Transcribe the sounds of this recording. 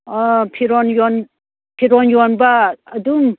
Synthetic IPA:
pʰiɾɔnjɔn | pʰiɾɔnjɔnbaːdum

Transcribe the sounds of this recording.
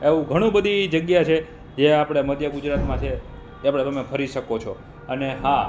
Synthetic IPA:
eʋũɡʱəɽ̃ũbəd̪ʱid͡ʒəɡjat͡ʃʰe | d͡ʒeapɽ̃eməd̪jəɡud͡ʒɾat̪mãt͡ʃʰe | apɽ̃eəmẽpʰəɾiʃəkot͡ʃʰo | əneɦa

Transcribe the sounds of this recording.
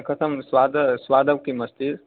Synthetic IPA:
kət̪ʰəmswad̪əswad̪əʋkiməst̪iɾ

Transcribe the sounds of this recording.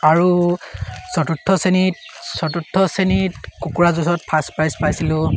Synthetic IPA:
aɹu | sɔtutʰːɔsenit̚sɔtutʰːɔsenitkukuɹazusɔt̚pʰaspajspajsilʊ̃

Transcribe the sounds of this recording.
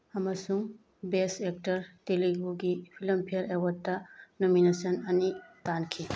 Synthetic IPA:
ɐmɐsuŋ | besek̚tɐɾteliɡuɡipʰilɐmpʰijɐɾewɐtːɐnominesɐnɐnitankʰi

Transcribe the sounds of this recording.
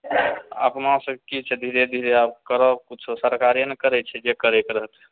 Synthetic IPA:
a̰pmãsəkit͡ʃʰɛd̪ʱiɾed̪ʱiɾeab̚kəɾɔkut͡ʃʰosəɾkaɾjənekəɾɛt͡ʃʰɛd͡ʒekəɾɛkeɾəɦət̪ʰ

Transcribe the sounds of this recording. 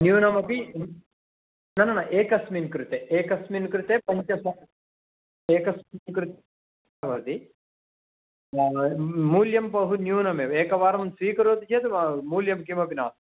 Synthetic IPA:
njuːnɐmɐpi | nɐnɐnɐʔeːkɐsminkɾut̪eʔeːkɐsminkɾut̪eːpɐɲt͡ʃɐsɐ | eːkɐsmnkɾut̪ː | ʋɐɾd̪i | muːljɐmpɐɦunjuːnɐmeːʋeːkɐʋaːɾɐmɐnsʋiːkɐɾoːt̪it͡ʃeːt̪umuːljɐmkimɐpina̰ːs

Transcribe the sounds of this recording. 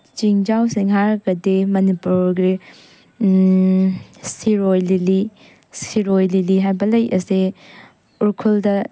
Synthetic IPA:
t͡ʃiŋd͡ʒawsiŋɦaɾɡɐdemɐnipuɾɡi | siɾojlili | siɾojliliɦajbɐlɐjʔɐse | uɾkʰuldɐ

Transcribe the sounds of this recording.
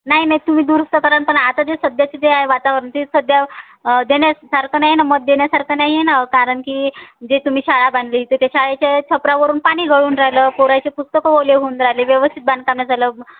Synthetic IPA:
naɦinaɦit̪um̤iːd̪uːɾəst̪əkaɾaɳpəɳat̪ad͡zesəd̪jat͡ɕed͡z̪eaɦeʋat̪aʋəɾənt̪isəd̪ja | d̪enjasaɾkʰənaɦenamət̪̚d̪eɳjasaɾkʰənaɦienakaɾəɳkiːd͡ʑet̪um̤iːɕaɭaband̪lit̪ət̪jaɕaɭet͡ɕat͡sʰəpɾaʋəɾuːnpaɽ̃iːɡʱəɭuːnɾaɦləkoɾajt͡ɕepust̪əkoʋoleɦoːnɾaɦleʋjəʋəst̪ʰit̪̚bãnd̪̚kamjad͡zaləː

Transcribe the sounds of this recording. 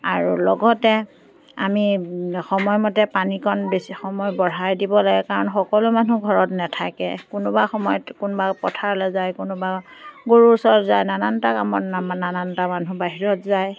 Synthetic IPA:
aɹulɔɡɔtɛ | a̰mixɔmɔjmɔtɛpanikʰɔnbesixɔmɔjbɔɹajdibɔlaɡɛkaɹɔnxɔkɔlʊmanuɡʱɔɹɔtnɛtʰakɛ̰kʊnʊbaxɔmɔjɔtkʊnbapɔtʰaɹlɛzajkʊnʊbaɡoɹusɔɹzajnanantakamɔnanantamanubaɦiɹɔtzaj

